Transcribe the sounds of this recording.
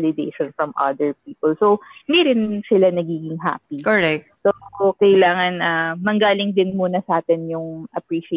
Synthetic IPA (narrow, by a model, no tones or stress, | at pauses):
lɪd̪eʃɔ̃nfɹɐmʔɐ̰d̪ɛɹpiːpɐlsownd̪iɾɪnsɪlanɐɡiːɡɪŋɦa̰ːpikɔɛsokɐjlaːŋɐnʔɐmɐŋɡaːlɪŋd̪ɪnmuːnɐsɐʔaːt̪ɛnjʊŋʔɐpɹiːʃ